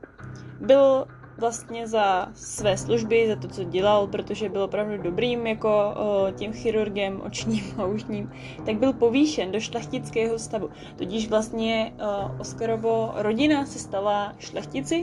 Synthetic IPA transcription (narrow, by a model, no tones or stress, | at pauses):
bɪl | vlast̪ɲɛzasvɛːsluʒbɪzat̪o̞t͡so̞ɟɛlalpɾo̞t̪oʒɛbɪlopɾavdudo̞bɾiːmjako̞cɛmxɪɾuɾɡɛmʔo̰t͡ʃɲiːmauʃɲiːm | t̪aɡ̚bɪlpo̞viːʃɛndo̞ʃlɛxcɪt͡skɛːɦo̞st̪avu | t̪ocɪʃvlast̪ɲɛʔoskaɾovoɾo̞ɟɪnasɛst̪alaʃlɛxcɪt͡sɪ